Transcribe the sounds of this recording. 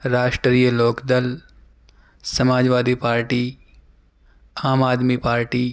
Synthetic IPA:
ɾaːʃʈɾiːjəloːkd̪əl | sɐmaːd͡ʒʋaːd̪ipaːɾʈi | aːmaːd̪mipaːɾʈiː

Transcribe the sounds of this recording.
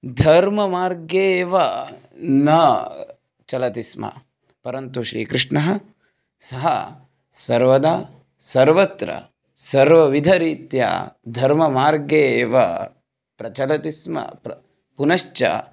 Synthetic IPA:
d̪ʱɐɾmɐmaːɾɡjeːʋɐ | nɐ | t͡ʃɐlɐt̪ismɐ̰ | pɐɾɐnt̪uʃɾḭːkɾɪʂɳɐɦɐ̆ | sɐɦɐ̰ | sɐɾʋɐd̪a | sɐɾʋɐt̪ɾɐ̰ | sɐɾʋɐʋid̪ʱɐɾiːt̪ja̰ːd̪ʱɐɾmɐmaːɾɡeːʋɐ̰ | pɾɐt͡ʃɐlɐt̪ismɐ̰pɐ | punɐʃt͡ʃɐ̰

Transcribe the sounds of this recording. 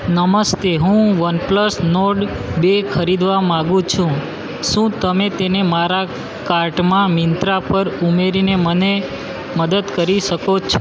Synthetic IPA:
nəməst̪eɦũʋənpləsnoɖbekʰəɾid̪ʋamãɡũt͡ʃʰũ | ʃũt̪əmet̪enemaɾa | kaɾʈmãmɪnt̪ɾapəɾumeɾineməne | məd̪əd̪kəɾiʃəkot͡ʃʰ

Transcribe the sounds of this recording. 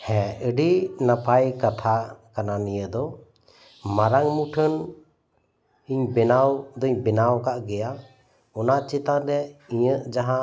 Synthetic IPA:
hɛ̃əɖinapajkat̪ʰakananijəd̪ɔ | maɾaŋmuʈʰən | iɲbɛnawd̪ɔiɲbɛnawkaʔɡɛja | ɔnaʔt͡ʃit̪aɾɛiɲəʔd͡ʒaɦã

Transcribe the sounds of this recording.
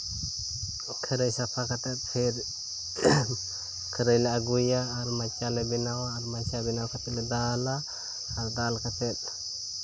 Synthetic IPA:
kʰəɾəjsapʰakət̪ɛt̪̚pʰɛɾ | kʰəɾəjlɛaɡujaːɾmat͡ʃalɛbinawaːɾmat͡ʃabinawakat̪ɛlɛdalaː | ɾdalkat̪ɛt̪̚

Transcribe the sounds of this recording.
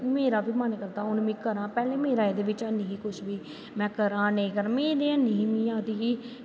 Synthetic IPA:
meːɾaːbiːmənkəɾd̪aːʊnmĩːkəɾãːpɛːleːmeːɾaːed̪eːʋɪt͡ʃənːiɦĩːkʊʃʰʋiː | mɛ̃ːkəɾãːnəĩːkəɾmẽːɾeːənːiĩːmĩːãːt̪iːkiː

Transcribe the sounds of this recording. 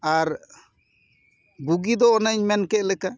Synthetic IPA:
aɾ | buɡid̪ɔɔnaɲmɛnkɛʔlɛka

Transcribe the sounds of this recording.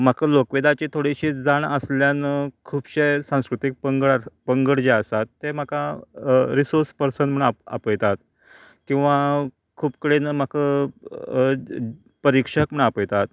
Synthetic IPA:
m̤akəlokʋed̪at͡ɕet̪ʰoɽiɕiːd͡zaɳəsljanəkʰuːbɕesãw̃skɾut̪ik̚pəŋɡəɭapəŋɡəɽd͡ʑeəsat̪ːem̤aka | ɾisoɾspəɾsənd̪m̤əɳaa̰pəjt̪at̪ | kĩw̃ʋa | kʰuːpkəɽenəm̤akə | pəɾikʂəkm̤əɳapəjt̪at̪

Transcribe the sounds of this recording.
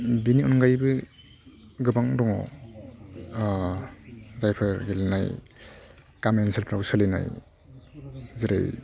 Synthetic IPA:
biniɔnŋɡajbɯ | ɡɯbaŋdɔŋɔ̰ | zajpʰɯɾɡelna̰j | kamenselpʰɾawsalina̰j | ziɾa̰j

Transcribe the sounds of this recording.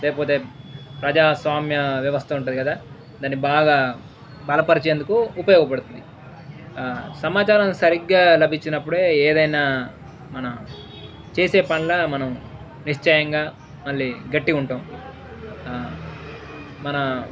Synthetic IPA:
leːkɐpoːt̪e̞ːpɾɐd͡ʒaːsʋaːmjɐʋjɐʋɐst̪ʰɐuɳʈ̬ːund̪ikɐd̪aː | d̪aːnːibaːɡaː | bɐlɐpɐɾit͡ʃeːnd̪ukuːpɐjɔːɡɐpɐɽut̪und̪i | sɐmaːt͡ʃaːɾɐmsɐɾiɡːaːlɐbʱit͡ʃːinɐpːuɽe̞ːeːd̪ɐjnaː | mɐnɐm | t͡ʃeːse̞ːpɐɳlaːmɐnɐm | niʂt͡ʃɐjɐŋɡaː | mɐɭːiɡɐʈːiuɳʈoːm | mɐnɐ

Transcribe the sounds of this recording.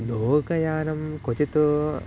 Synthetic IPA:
d̪oːkɐjaːnɐmkot͡ʃit̪u

